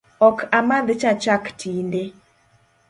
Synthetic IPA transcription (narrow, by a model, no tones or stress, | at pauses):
ɔkʰamad̪ɪt͡ʃat͡ʃaktʰinde